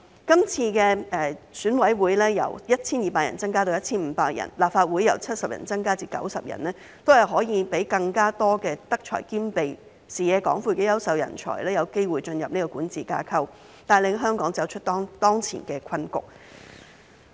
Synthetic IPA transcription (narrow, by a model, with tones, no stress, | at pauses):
kɐ˥mt͡sʰiː˧kɛː˧ɛː˨˩syː˨˥nwɐ˨˥jwuː˨˥jlɛː˥jɐ̰˨˩wjɐ˥t̚t͡sʰiː˥njiː˨paː˧k̚jɐ̰˨˩nt͡sɐ˥ŋkaː˥t̪o˧jɐ˥t̚t͡sʰiː˥nm̩ː˨˧paː˧k̚jɐ̰˨˩nlaː˨pfaː˧t̚wuː˨˥jːɐ̰˨˩wt͡sʰɐ˥t̚sɐ˨p̚jɐ̰˨˩nt͡sɐ˥ŋkaː˥t͡siː˧kɐ̰˨˥wsɐ˨p̚jɐ̰˨˩nɛː˥ | t̪o˥whɐ˨jɦɔː˨˥jiː˨˧pe˨˥jkɐ˧ŋkaː˥t̪ɔː˥kɛː˧t̪ɐ˥k̚t͡ʃʰɔ̰ː˨˩jkiː˥mpe˨j | siː˨˩jɛː˨˧kɔː˨˥ŋfuː˧˩kɛ˧jɐ˥wsɐ˨wjɐ̰˨˩nt͡ʃʰɔ̰ː˨˩jlɛː˥jɐ˨˧wke˥jwuː˨˩jt͡ʃɵ˧njɐ˨p̚ni˥kɔ˧kuː˨˥nt͡siː˨kaː˧˥kʰɐ˥w | t̪aː˨jlɪ˨˧ŋɦœː˥ŋkɔː˨˥ŋt͡sɐ˨˥wt͡ʃʰɵ˥t̚t̪ɔː˥ŋt̪ɔː˥ŋt͡sʰḭː˨˩nkɛː˧kʰɐ˧˥nkʊ̰˨k̚